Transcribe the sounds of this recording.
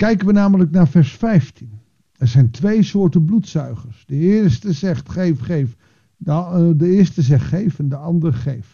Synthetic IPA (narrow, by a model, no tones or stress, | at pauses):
kɛjkənʋənaːmələknaːɹfɛɹsfɛjftin | ɛɹzɛjntʋejsʊːɹtəblutsœɥχəɹsdəɪːstəzɛχtχefχef | dəɪːɹstəzɛχtχejfəndəɑndəɹχejf